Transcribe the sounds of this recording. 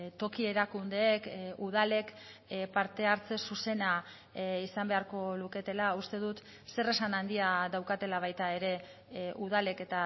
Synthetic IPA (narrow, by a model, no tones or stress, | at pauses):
t̪o̞kie̞ɾakund̪e̞ːkuðale̞kpaɾt̪e̞aɾt͡se̞suse̞na | isambe̞aɾko̞luke̞t̪e̞laust̪e̞ð̞ut̪ | se̞re̞sanand̪iaðawkat̪e̞laβ̞ajt̪ae̞ɾe̞ | uð̞ale̞ke̞t̪a